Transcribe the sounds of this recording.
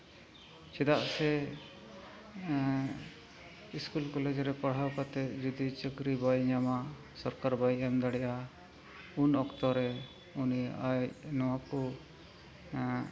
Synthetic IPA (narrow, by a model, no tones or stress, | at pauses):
t͡ʃɛd̪aʔsɛ | iskulkɔled͡ʒɾɛpəɽ̤awkat̪ɛd͡ʒɔd̪it͡ʃəkɾibajɲama | sɔɾkaɾbajɛmd̪aɽɛʔa | unɔkt̪ɔɾɛ | uniajnɔwakɔ